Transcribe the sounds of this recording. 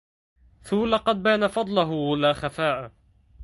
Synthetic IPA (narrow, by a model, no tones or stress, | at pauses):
θulɑqɑd̪̚baːnafɑd̪ˤlʊɦʊwalaːxafaːʔa